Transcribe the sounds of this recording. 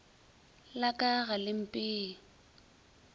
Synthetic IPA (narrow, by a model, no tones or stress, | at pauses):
lakʼaɣalɪm̩pʼɪː